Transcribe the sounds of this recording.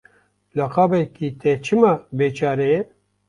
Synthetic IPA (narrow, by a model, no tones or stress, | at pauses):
lɐqaːbɛkit̪ɛt͡ʃʰɨmɐbeːt͡ʃaːɾe